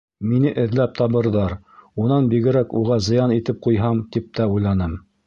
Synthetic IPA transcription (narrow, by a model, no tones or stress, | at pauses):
minɘʔɘ̆ðlæp̚t̪ʰɑβɤ̆ɾðɑɾ | unɑnbiɡɘ̆ɾækuʁɑzɤ̆jɑnit̪ɘp̚qujɦɑmt̪ip̚t̪ʰæujlˠɑnɤm